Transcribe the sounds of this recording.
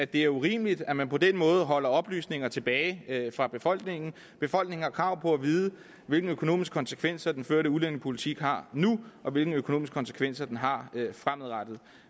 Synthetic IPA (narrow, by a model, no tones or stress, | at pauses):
æd̥e̝æɐuʁḭːməlid̥æmænpʰɒ̽d̥enmɔ̽ːð̩ˠɦɒ̽l̰ɐɒ̽b̥ly̰ːsne̝ŋɐt͡sʰe̝b̥ɛːɪfʁɑ̈b̥e̝fɒ̽l̰ɡ̥ne̝ŋn̩ | b̥e̝fɒ̽l̰ɡ̥ne̝ŋ̩hɑ̈kʰʁɑ̈ʊ̰pʰɒ̽æʋiːðˠə | ʋe̝lɡ̥n̩økʰo̝no̝̰ːmisɡ̥kʰɒ̽nsə̥kʰʋen̰sɐd̥enføɐɾəulen̰əpʰo̝lit͡sʰiɡ̥ɦɑ̈nuʔɒ̽ʋe̝lɡ̥ŋ̩økʰo̝no̝̰misɡ̥kʰɒnsə̥kʰʋen̰sɐd̥enɦɑ̈fʁamð̩ˠʁad̥ð̞̩ˠ